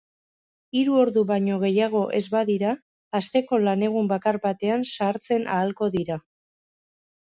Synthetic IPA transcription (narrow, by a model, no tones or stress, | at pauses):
iɾuo̞ɾðuβaɲo̞ɣ̞e̞jaɣ̞o̞ʔe̞zβaðiɾaː | st̪e̞ko̞lane̞ɣ̞umbakarbat̪e̞ansaɾt͡se̞na̰ːlko̞ðiɾa